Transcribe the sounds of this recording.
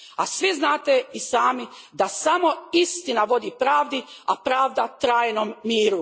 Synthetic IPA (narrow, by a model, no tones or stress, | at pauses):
asʋiznaːt̪eisaːmid̪asamo̞ist̪inaʋo̞d̪ipɾaːʋd̪iapɾaːʋd̪at̪ɾaːjnomːiːɾu